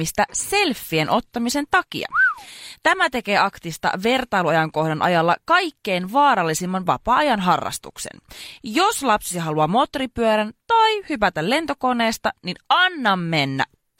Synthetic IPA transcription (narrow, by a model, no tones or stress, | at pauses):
ist̪æse̞lfːienʔo̞t̪ːɑmise̞nt̪ɑk̟ḭɑ̰t̪æmæt̪e̞ke̞ːɑkt̪ist̪ɑ̰ʋe̞rt̪ɑjluɑjɑŋko̞hdɑnʔɑ̰jɑlːɑkɑjkːe̞jnʋɑːɾɑlːisimːɑnʋɑpɑːɑjɑnɦɑrːɑ̰st̪ṵksḛnjo̞slɑpsisɦɑluɑmo̞t̪ripyøɾænt̪ɑjhypæt̪ælle̞nt̪o̞ko̞ne̞ːst̪ɑninɑnːɑmːe̞nːæ̰